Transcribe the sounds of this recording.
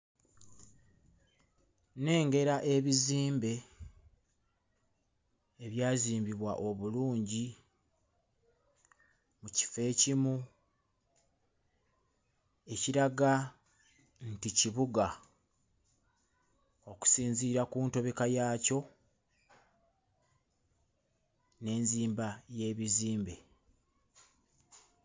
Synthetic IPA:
ne̞ːŋɡe̞ɾaʔe̞βiziːmbe̞ | βjaːziːmbiβwa̰ʔo̞βuluːɲɟi | muci̥fe̞ːcimu | e̞ciɾaɡa | nticiβuɡa | o̞ku̥siːɲziɾakuːnto̞βekajaːco̞ | ne̞ːnziːmbaje̞ːβiziːmbe̞

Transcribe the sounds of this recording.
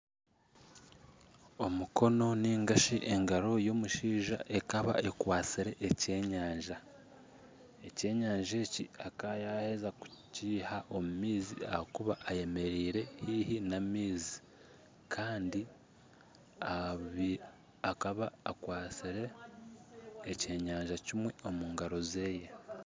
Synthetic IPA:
o̞muko̞no̞niːŋɡaʃiʔe̞ŋɡaɾo̞jo̞ːmuʃiːʒa̰ʔe̞kaβa̰ʔekwaːt͡siɾe̞ʔːce̞ɲaːɲʒa | e̞ce̞ːɲaːɲʒe̞ːcḭakajahe̞zaku̥ciːhaʔo̞mumiːzia̰hakuβaʔːje̞me̞ɾiːɾe̞hiːhinamiːzi̥ | kʰaːndi | aβi | akaβaːkwaːt͡siɾe̞ | ce̞ːɲaːɲʒacimwe̞o̞muːŋɡaɾo̞ze̞ːje̞

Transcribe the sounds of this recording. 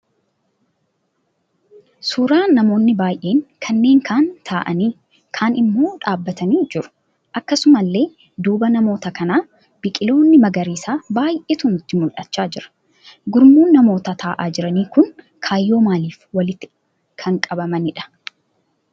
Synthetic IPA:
suːɾaːnɐmo̞ːnːɪbaːjʔe̞ːŋkʰɐnːe̞ːŋkʰaːnt̪ʰaːʔɐ̰niː | kʰaːnɪmːo̞ːᶑaːbːɐt̪ʰɐniːd͡ʒɪɾʊ̥ | ʔɐkːɐsʊmɐlːe̞ː | d̪uːbɐnɐmo̞ːt̪ɐkɐnaː | b̥ɪkʼɪlo̞ːnːɪmɐɡɐɾiːsaːbaːjʔeːt̪unɪt̪ːɪmʊlʔɐt͡ʃːaːd͡ʒɪɾɐ̥ | ɡʊɾmuːnːɐmo̞ːt̪ɐt̪ʰaːʔaːd͡ʒɪɾɐniːkʊŋ | kʰaːjːo̞ːmaːliːfwɐlɪt̪ːɪ | kʰɐŋkʼɐbɐmɐnɪᶑɐ̥

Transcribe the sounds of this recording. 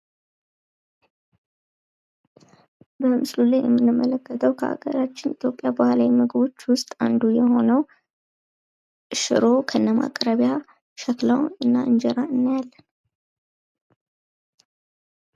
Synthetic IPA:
bəmɨslulajjɛmːɨnːɨmːələkːət̪ʰəwkʰəʔa̰ɡə̰ɾat͡ʃːɪnʔit̪ʰjo̞pʼːjabahalawimɨɡɨβo̞t͡ʃːwʊst̪ʼand̪ujɛho̞nəw | ɨʃɨ̰ɾo̞kʰəɨnːəma̰kʼɾəβja | ʃəklawɨnːa̰ʔɨnd͡ʒɛɾaɨnːajalːən

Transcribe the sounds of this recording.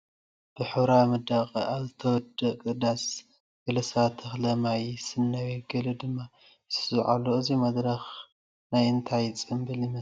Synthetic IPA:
b̥ɨħɨβɾamɐd̪aqʼiʔaβzɨt̪ʰɐwɔd̪ːɐkʼɨd̪as | ɡ̥ɐlɐsat̪ʰɐxlɐmajsɨnːɐweɡɐlɨd̪ɨmːa | sɨzʕa̰lːoɨzimɐd̪ɾɐx | najɨnt̪ʰajt͡sʼɨmbɨlɪmɐ

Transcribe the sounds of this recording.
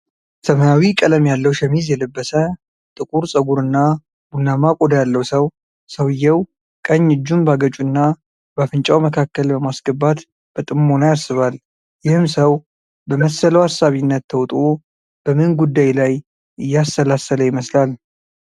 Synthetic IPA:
səmənawikʼələmjalːəwʃɛmizjɛlɨbːəsə | t̪ʼɨkʼuɾsʼəɡuɾɨnːa | bunːamakʼod̪jalːəwsəw | səwɨjːɛw | kʼəɲːɨd͡ʒːunbaɡət͡ʃʼunːa | bafɨnt͡ʃʼawməkʰakːəlbəmasɡəbat̪ | b̥ət̪ʼɨmːo̞nəjaɾsɨβal | jɪhɨmsəw | bəməsələwasːaβinːət̪ːʰəwt̪ʼo | b̥əmɨnɡud̪ːajlaj | ɨjːast̪əlasələjɪməslal

